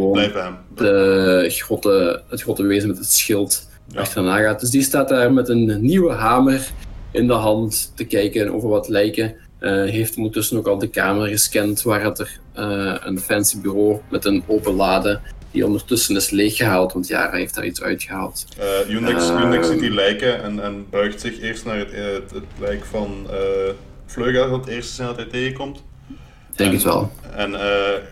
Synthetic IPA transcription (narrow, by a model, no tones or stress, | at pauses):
əʋoːndərɔtəətxrɔtəʋeːzəmɛtɦətsxɪlˠt | ʔɑ̰xtərnaːɣaːt̚d̥ɵsdistaːt̚daːrmɛtənːiwəɦaːmərɪndəɦɑnttːəkɛjkənʔo̰ːvərʋɑtlɛjkə | ɦejftɔndərtɵsənoːkɑlˠdəka̰ːmərɣəskɛntʋaːrɑtər | əə̰nfɛnsibyːroːmɛtənoːpəlaːdəd̥ḭɔ̰ndərtɵsənɪsleːxəɦaːlˠtʋɑntja̰ːrəɦeftda̰ːɹitsœ̰ɥtxəɦaːlˠtːjunɪksunɪksitilɛjkəɛnɛnbœɥxtsɪxɪːrstnaːrəttətlɛjkfɑnə | fløːɣəɔtɪːrstəzɪndɑtɦɛjteːɣəkɔmt | d̥ɛŋkətʋɛ̰lˠɛnəː